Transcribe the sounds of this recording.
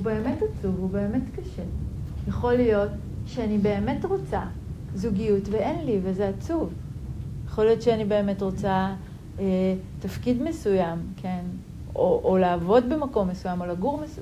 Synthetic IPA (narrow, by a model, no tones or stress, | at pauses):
ube̞ːme̞tat͡suvube̞ːme̞tkaʃejaχo̞lijo̞t | ʃeanibe̞ːme̞tʁo̞t͡sa | zuɡijutveʔenlivezeat͡suvjaχolijo̞tʃeanibe̞eme̞tʁo̞t͡sa | etafkidme̞sujamkʰe̞n | oʔoleːvo̞dbe̞mako̞mːe̞sujamo̞laɡuʁmes